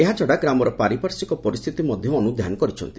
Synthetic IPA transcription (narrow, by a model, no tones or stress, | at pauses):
eɦat͡ʃɔɽaɡɾamɔɾɔpaɾipaɾsikɔpɔɾist̪ʰit̪imɔd̪ʱjɔːnud̪ʱjanɔkɔɾit͡ʃʰɔ̰nt̪i